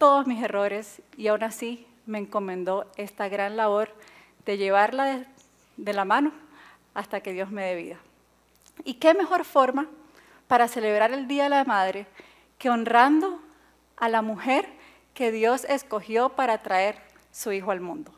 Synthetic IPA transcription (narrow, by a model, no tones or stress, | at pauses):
t̪o̞ðozmise̞ro̞ɾe̞siawnasi | me̞ːŋko̞mẽ̞nd̪o̞e̞st̪aɣɾanlaβo̞ɾ | d̪̥e̞ʝe̞β̞aɾlaðe | ðe̞lamãno̞ | ast̪ake̞ðjo̞zme̞ðe̞β̞ḭða | ike̞me̞xo̞ɾfo̞ɾma | paɾase̞le̞β̞ɾaɾe̞ld̪iaðelamaðɾe̞ | keonrand̪o̞ | alamuxe̞ɾ | ke̞ðjo̞se̞sko̞xjo̞paɾat̪ɾae̞ɾ | suixoalmũnd̪o̞